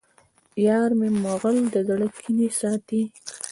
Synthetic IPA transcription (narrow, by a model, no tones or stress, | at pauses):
jɑːɾmemoɣəld̪əzaɽəkʰːinisɑːt̪i